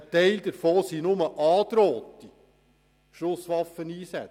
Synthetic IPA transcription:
tɛɪld̪əɾfoːsinʊməʔɑːd̪̥ɾoːt̪i | ʃʊsʋɑfəniːsɛ

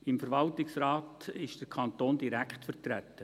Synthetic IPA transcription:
ɪmfəɾʋɑltɪksɾɑːtɪʃd̥əɾkʰɑnt̪oːndiɾækχtfərtɾæt̪ːə

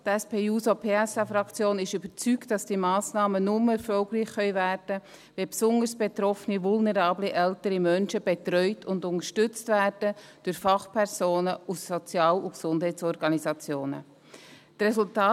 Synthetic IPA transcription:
tɛspeːuːsopʰeːɛsafɾɑkt͡sjoːnɪʃybəɾt͡syktd̥ɑsd̥imɑːsnɑːmənʊmɛɾfɔlɡriːχχœʏvæːɾdə | ʋɛpsʊndəɾsb̥et̪ɾɔfənivʊlnɛɾɑːbliʔɛltəɾimœnʃəb̥et̪ɾœʏtʰʊndʊnəʃtʏt͡stvæːɾd̥ə | d̥ʊɾfɑχpʰɛɾz̥oːnəusːɔt͡sjɑːluksʊndɦɛɪt͡sɔɾɡɑnizɑt͡sjoːnə̰ | trɛzʊltɑː

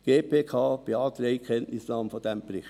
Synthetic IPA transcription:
ɡ̥eːpʰeːkʰɑːb̥iɑːt̪ɾɛɪkʰɛntnɪsnɑːməfɔd̥ɛmbɾɪχt

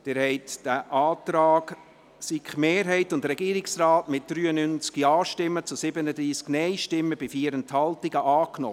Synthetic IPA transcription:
d̥ɛɾhɛɪtd̥æʔɑːtɾaːɡ | sikχmeːɾɦɛɪtʊndɾɛɡ̥iːəɾɪksrɑːtmɪt̚d̪̥ɾyːənynt͡skiɑːʃtɪmːət͡sʊsɪbənədɾiːsknɛɪʃtɪmːəb̥ɪfiːəɾənthɑltiɡəʔɑːkno̰

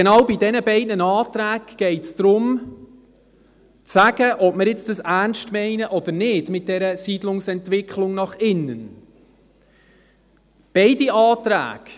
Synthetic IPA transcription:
ɡenɑwbidɛnəbɛɪdnənɑːtɾæːɡɡ̥ɛɪtsd̥̪ɾʊm | t͡sæɡ̥əʔɔbməɾɪt͡sd̥əsænʃtmɛɪnəʔɔd̪əɾnɪdmɪt̚d̥ɛɾəsiːdlʊŋsɛntʋɪkχlʊŋnɑχɪnːən | b̥ɛɪdiɑːtɾæ̰ːɡ̥

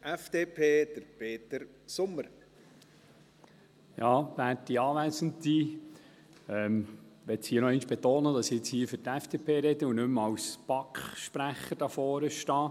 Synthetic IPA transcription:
ʔɛfd̪̥eːpʰeːd̥̪əɾpʰeːt̪əɾ | sʊmːəɾ | jɑːbæːtiɑːʋæːsən̩ti | ɛmʋɛtshiːənɔɪnʃb̥et̪oːnədɑsɪt͡shiːføɾtæfd̥eːpʰeːɾɛdəunɵmɑwspɑkχʃpɾæχəɾd̥ɑfɔːɾəʃtɑː

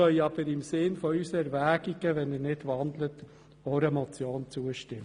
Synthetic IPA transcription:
œʏɑb̥əɾɪmsɪnfɔysəɛɾvæːɡ̥iɡ̥əʋɛnənɪdʋɑnd̪lət | ɔɾəmɔt͡sjoːnt͡suəʃtɪm

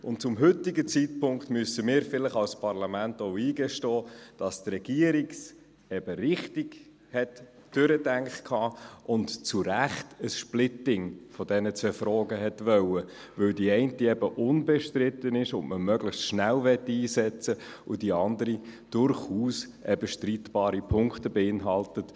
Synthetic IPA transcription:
ʊnt̚t͡sʊmɦʏtɪɡət͡sit̚pʰʊŋkχt̪mysəmɪːɾfɪləχɑlspʰɑrlɑmæntoʊiːɡɛʃtɔːd̥ɑstrɛɡ̥iəɾiks | ɛb̥əɾɪχtɪɡ̥ | hɛt | d̥ʏɾədæŋkχkʰhɑːʊntt͡suɾæχtəsʃplɪtɪŋfɔdɛnət͡sʋɛfɾɔːɡəɦɛtʋœwə | vɵldiɛɪntiɛbəʔʊnbɛʃtɾɪtənɪʃʊntməmœɡləχstʃnælvɛtːiːsɛt͡sə | ʊd̥iɑndəɾid̥ʊɾχhuːsʔɛbəʃtriːtb̥ɑːɾipʰʊŋktəbeɪnɦɑltət

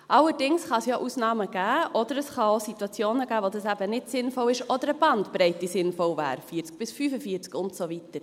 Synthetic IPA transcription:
ʔɑləɾd̥ɪŋsχɑsjɑːʔusnɑːməɡ̥æːʔɔd̥əɾəsχɑositwɑt͡sjoːnəɡ̥æːvodɑsæb̥ənɪtsɪnfɔlɪʃʔɔdəɾəb̥ɑndbɾɛɪtisɪnfɔlvæ̰ːɾfiːt͡sk̚b̥ɪsfyːfəfiːt͡skʊntsovitəɾ

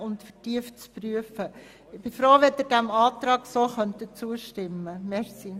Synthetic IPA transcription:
ʊntfərtiəft͡spryəfə | ɪb̥ɪfɾoːʋed̪ɪɾdæmɑːtɾɑːɡsoxœntət͡suəʃtɪmːəmɛɾsi

